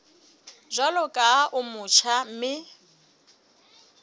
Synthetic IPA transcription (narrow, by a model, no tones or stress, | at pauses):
ʒʷalɔkʼaʔʊmʊt͡ʃʰam̩mɪ